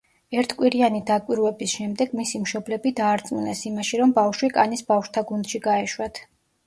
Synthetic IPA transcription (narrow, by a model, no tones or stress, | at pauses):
ɛɾt̪ʰkʼwiɾianid̪akʼwiɾwɛbisʃɛmd̪ɛɡmisimʃɔblɛbid̪aːɾt̪sʼmunɛsimaʃiɾɔmbafʃwikʼanisbafʃt̪ʰaɡund̪̥ʃiɡaɛʃwat̪ʰ